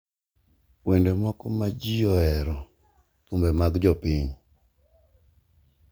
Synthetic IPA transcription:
wendemɔkɔmad͡ʒijɔɛɾɔ | t̪umbɛmaɡd͡ʒɔpiɲ

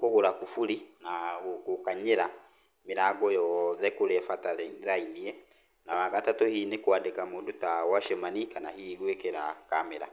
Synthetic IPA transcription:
koɣoɾakufuɾinaɣokokaɲeɾa | meɾaːɡɔjɔðɛkoɾɛfataɾainiɛ | nawaɣatatɔhiːnekoadekamodotawaʃɛmanikanahiɣwekeɾakamɛɾa̰

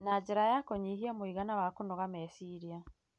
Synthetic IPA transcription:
nad͡ʑeɾajakɔɲiɦiamoiɣanawakonɔɣamɛsiɾia

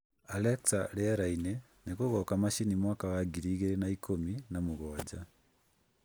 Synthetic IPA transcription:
aleksaleaɾaine | nekoɣɔkamaʃinimwakaɣaɡiɾiːɣeɾenaikʰominamuɣɔːd͡ʒa

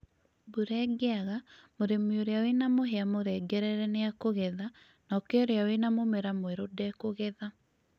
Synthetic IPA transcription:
buɾɛːɡɛaɣamoɾemioɾeawenamoɦeamoɾɛːɡɛɾɛɾɛneakoɣɛða | nɔːkɛoɾeawenamomɛɾamweɾodɛkoɣɛða

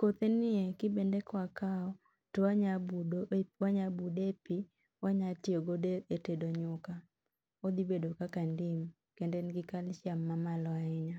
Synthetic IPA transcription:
kot̪enɪekɪbendekwakaɔ | toaɲabudowaɲabudepi | waɲatɪoɡodeetedoɲʊka | od̪ibedokakandim | kendenɡɪkalʃjamːamalɔaɪɲa

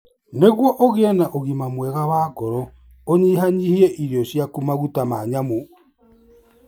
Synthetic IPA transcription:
neɣwɔʔoɣeɛnaʔoɣimamwɛɣawaːɡɔɾɔ | oɲiɦaɲihieʔiɾjɔsjakumaɣutamaːɲamo

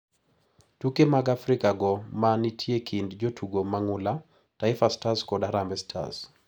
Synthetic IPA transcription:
tukɛmaɡafɾikaɡɔmanitʰiekʰindd͡ʒɔtʰuɡɔmaŋula | taifastaskɔɗaɾambɛstʰa̰z

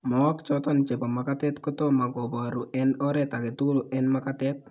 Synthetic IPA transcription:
mɔakt͡ʃɔt̪ɔnt͡ʃepamakat̪ɛt̪kɔt̪omaɡɔbaɾuʔɛnɔɾɛt̪akɛt̪ulʊʔɛnmakat̪ɛt̪̚

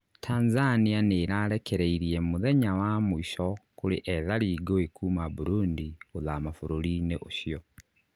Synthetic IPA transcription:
tʰaːnzanianeɾaːɾekeɾeiɾiemuðeɲawamuiʃɔkuɾḛʔɛðaɾiːɡoekuːmaβuɾuːndioðamafoɾoɾineʔoʃjɔ

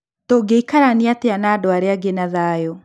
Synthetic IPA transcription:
toɡeikaɾaniateanaːdoaɾeaɡenaðajɔ

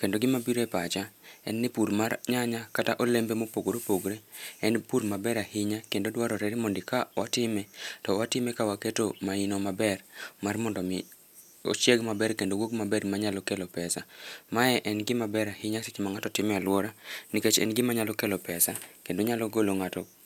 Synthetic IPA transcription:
kendoɡɪmabiɾoɛpat͡ʃaɛ̰nːɪpuɾmaɾɲaɲakataʔolembemopoɡoɾopoɡɾeɛnpuɾmabɛɾahɪɲakendodwaɾɔɾɛɾimondɪkawatɪmɛtɔwatɪmɛkawaketomainomabɛrmarmɔndɔmɪ | o̰t͡ʃeɡmabɛrkendowoɡ̚mabɛɾmaɲalɔkelopɛsamaɛʔɛnɡɪmabɛɾahɪɲaset͡ʃmaŋatɔtɪmɛalwɔɾanɪket͡ʃɛ̰nɡɪmaɲalɔkelɔpɛsakendoɲalɔɡoloŋatɔ

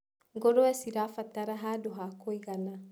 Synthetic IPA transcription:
ɡoɾoɛsiɾafat̪ːaɾaɦadoɦakoiɡana

